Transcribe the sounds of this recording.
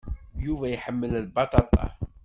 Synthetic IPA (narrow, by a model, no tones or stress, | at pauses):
juvæjħəmːəllbɑt̪ˤɑt̪ˤɑ̰